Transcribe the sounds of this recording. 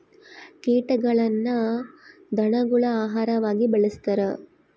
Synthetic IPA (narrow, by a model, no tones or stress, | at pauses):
kiːʈɐɡɐɭɐnːɐ | d̪ɐɳɐɡuɭɐaːɦaːɾɐʋaːɡibɐɭist̪ɐɾɐ